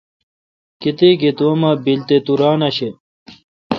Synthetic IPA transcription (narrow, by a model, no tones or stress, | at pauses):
kit̪eket̪omɐbilt̪et̪uɾaːnɐɕe